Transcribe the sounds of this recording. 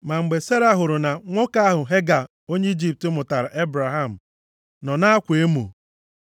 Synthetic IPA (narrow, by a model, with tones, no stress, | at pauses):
ma˨ŋ͡m̩˨ɡ͡be˨se˦ɾa˦ɦʊ˨ɾʊ˨na˨ŋʷo˦ka˦a˦ɦʊ˨ɦe˦ɡa˨ | o˦ɲe˦i˦d͡ʒi˦p̚tʊ˦mʊ˨ta˨ɾa˨ʔe˦bɾa˨ɦa˦˨m̩˨ | nɔ˨na˦a˦kʷe˦mṵ˨